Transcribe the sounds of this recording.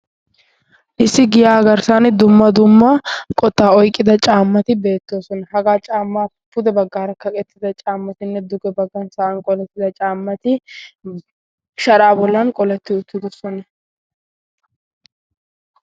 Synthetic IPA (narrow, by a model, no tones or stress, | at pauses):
ʔɪsːɪɡɪjaːɡɐɾsaːnd̪ʊmːɐd̪ʊmːɐkʼɔt̪ːaːɔjkʼːɪd̪ɐt͡ʃʼaːmːɐt̪ɪbe̞ːt̪ːo̞ːsɔnɐhɐɡaːt͡ʃʼaːmːaː | pʊd̪ɛbɐɡːaːɾɐkɐkʼɛt̪ːɪd̪ɐt͡ʃʼaːmːɐt̪ɪnːɛd̪ʊɡɛbɐɡːɐnsɐʔɐnkʼɔlɛt̪ːɪd̪ɐt͡ʃʼaːmːɐt̪ɪ | ʃɐɾaːbɔlːɐnkʼɔlɛt̪ːɪʊt̪ːɪd̪ɔsɔnɐ